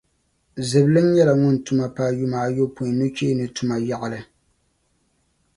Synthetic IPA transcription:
zɨ˨blɨ˦n˦jɛ˦la˨ŋʊ˦n̩˨tu˨ma˨paː˨ju˦maː˨jo˦pu˨nu˦t͡ʃe˦nɨ˨tu˨ma˨ja˨ʔa˨lɨ˨

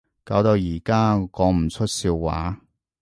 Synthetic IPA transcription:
kaː˧wt̪o˧wjiː˨˩kaː˥kɔː˨˧˥m̩˨˩t͡sʰɵ˥t̚siː˧wːa̰ː˨˥

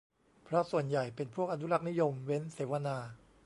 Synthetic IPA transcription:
pʰɾɔ˦˥su˨˩ənja˨˩jpe˧npʰu˥˩ək̚ʔa˧nu˦˥la˦˥k̚ni˦˥jo˧mwe˦˥nseː˩˦wa˧naː˧

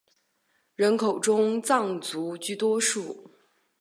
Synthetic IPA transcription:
ɻə˧˥nkʰo˨˩ʊʈ͡ʂʊ˥ŋt͡sɑ˥˩ŋt͡su˧˥t͡ɕy˥˩t̪wɔ˥ʂu˥˩

